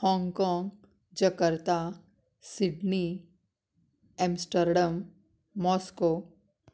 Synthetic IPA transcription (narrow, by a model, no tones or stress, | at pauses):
hɔ̃ːŋɡkɔ̃ːŋɡ | d͡ʒəkəɾt̪a | sɪɖni | ɛ̃msʈəɾɖəmː | ɔːskoː